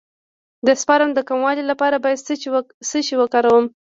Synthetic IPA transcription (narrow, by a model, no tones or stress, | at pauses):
d̪əspɑɾamd̪əkamwɑlilapɑɾabɑjad̪ssət͡ʃiwəkɑɾawəm